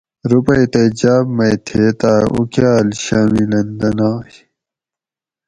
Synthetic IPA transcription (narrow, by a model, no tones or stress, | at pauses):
ɾupɐjt̪ed͡ʑaːbmɐjt̪ʰeːt̪aːʔṵkjaːlɕaːmilɐnd̪ɐnaːj